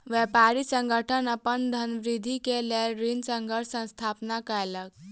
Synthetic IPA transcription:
ʋjɛpaɾisə̃ŋɡʱəʈʰənəpənd̪ʱənʋɾid̪ʱikelelɾinsəŋɡʱəʈʰsə̃st̪ʰapnakəjlək̚

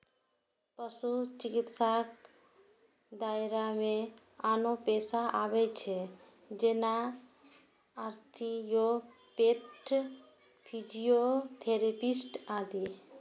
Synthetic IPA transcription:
pəsut͡ʃikit̪sak | d̪aeɾamẽ | anopesaʔabet͡ʃʰe | d͡ʒena | aɾt̪ʰijo | peʈʰ | pʰid͡ʒiot̪ʰeɾepisʈad̪i

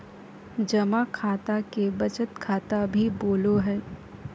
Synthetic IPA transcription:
d͡ʒɐmakʰaːt̪akebɐt͡ʃət̪kʰaːt̪abʱiboːloɦɛː

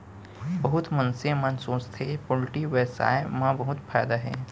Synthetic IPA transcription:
bɐɦʊt̪mɐ̃nsimansoːst̪ʰepolʈiʋeːsa̰ːemɐ̃bɐɦʊt̪fʰaːjd̪aɦɛ̰ː

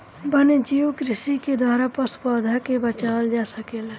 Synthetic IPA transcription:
bəned͡ʒiwkɾɪsiked̪waːɾapəspəɾd̪ʱakebət͡ʃald͡ʒasəkela

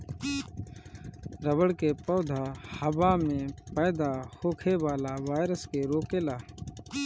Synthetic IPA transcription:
ɾəʋəɽkeːpoːd̪ʱaːhəbaːmẽːpəːd̪aːhoːkʰeːʋaːlaːʋaːɪɾəskeːɾoːkeːlaː

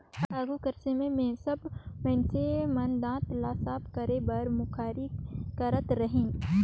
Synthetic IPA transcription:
aːɡukəɾsemẽmẽsɐbmɛ̃ːsemɐ̃nd̪ãːt̪laːsaːbkəɾebɐɾmʊkʰaːɾikɐɾət̪ɾɐɦĩː

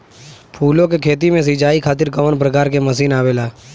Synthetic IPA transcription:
pʰuːlõkekʰeːt̪̬imẽs̬ɪt͡ʃaːikʰaːt̪̬ɪɾkəʋənp̬ɾəkaːɾkeməs̬iːnaːʋeːlaː

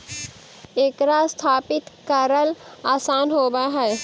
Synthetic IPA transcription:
eːkɾast̪ʰaːpɪt̪kəɾəlaːsaːnɦoːbaɦɛː

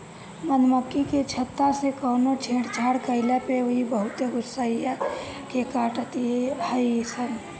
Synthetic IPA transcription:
mənməkːiket͡ʃʰət̪ːasekəːnot͡ʃʰeːɽt͡ʃʰaːɽkəɪlapeoɦibəɦʊt̪eɡʊsːaia | kekaːʈət̪iehəisən

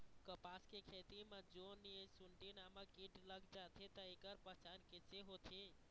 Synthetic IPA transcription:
kəpaskekʰet̪imed͡ʒoniesuɳʈinaməkiʈləɡd͡ʒat̪ʰet̪əekəɾpəɦt͡ʃanket͡ʃeɦot̪ʰi

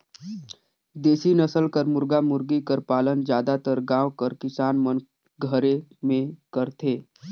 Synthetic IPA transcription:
d̪eːsinəsəlkəɾmʊɾɡamʊɾɡikəɾpaːlənd͡ʒjaːd̪at̪əɾɡãːʋkəɾkɪsaːnmən | ɡʱəɾemẽkəɾt̪ʰeː

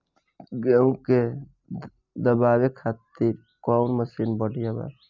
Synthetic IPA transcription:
ɡeũke | d̪əbaːwekʰaːt̪iɾ | kɔnməsinbəɽʱijaba̰

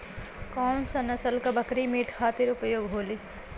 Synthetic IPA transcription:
kɔːmsɐnəsəlkabəkɾimiːʈʰkʰaːt̪ɪɾʊpəjoːɡɦoːliː

